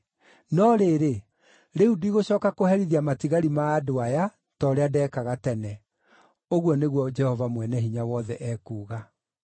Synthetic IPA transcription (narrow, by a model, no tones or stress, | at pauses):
nɔɾeːɾe | ɾeuduiɣoɕɔːkakohɛɾiðiamatiɣaɾimaːdoaja | tɔɾeadɛːkaɣatɛnɛ | oɣwɔneɣwɔd͡ʒɛhɔvamwɛnɛhiɲawɔðɛʔɛkuːɣa